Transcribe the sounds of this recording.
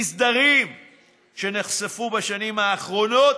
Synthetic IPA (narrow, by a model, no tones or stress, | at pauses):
sd̪aʁim | ʃe̞neχsefubaʃanimhaːχʁo̞no̞t